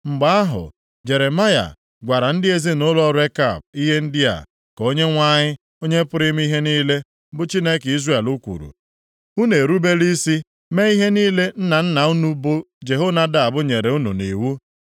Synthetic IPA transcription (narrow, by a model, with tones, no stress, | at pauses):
ŋ͡m̩˨ɡ͡ba˦a˦ɦʊ̰˨ | d͡ʒe˨ɾe˨ma˦ja̰˨ | ɡʷa˨ɾa˨n̩˦dɪ˦e˦zi˦nʊ˦lɔ˦ɾe˦ka˨b̚i˦ɦe˦n̩˦dɪ˦a̰˨ | ko˦ɲe˦ŋʷa˦ɲɪ˦ | o˦ɲe˦pʊ˦ɾɪ˦m˦i˦ɦe˦niː˦le˦ | bʊ˦t͡ʃi˦ne˦ki˦zɾe˦˨e˨lʊ˦kʷṵ˨ɾṵ˨ | u˦ne˨ɾu˦be˦li˦si˦ | me˦i˦ɦe˦niː˦le˦n̩˦na˨n̩˦na˨u˦nu˦bʊ˦ | d͡ʒe˨ɦo˦na˦da˦a˨bʊ˦ɲe˨ɾe˨u˦nṵ˨nḭ˨wu˦